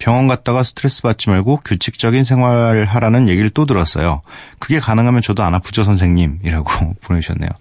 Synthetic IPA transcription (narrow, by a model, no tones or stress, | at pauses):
pjʌŋwʌnɡat̚t͈aɡasʰɯ̥tʰɯɾes͈ɯbat͡ɕ͈ʰimaɭɡokjut͡ɕʰik̚t͡ɕ͈ʌɡinsʰe̞ŋɦwaɾɭaɾanɯnje̞ɡiɾɯɭt͈odɯɾʌs͈ʌ̰jokɯɡe̞kanɯŋɦamjʌnt͡ɕʌdoanapud͡ʑosʰʌnsʰe̞ŋɲimiɾaɡoponeɕʰʌnːejo̰